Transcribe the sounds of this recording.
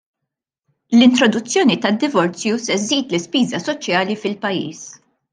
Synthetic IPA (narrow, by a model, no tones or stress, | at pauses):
lɪnt̪ɾɔd̪ʊt͡sːjɔːnit̪ɐd̪ːɪvɔɾt͡sjusɛzːiːt̪lɪspiːzɐsɔt͡ʃjɐːlifɪlpɐjːḭːs